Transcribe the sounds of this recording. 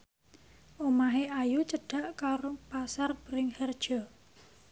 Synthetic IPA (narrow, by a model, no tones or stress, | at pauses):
ʔomaɦeajut͡ʃəɖ̥a̤ʔkaɾopasarbɾɪŋhərd̥ʒ̥ɔ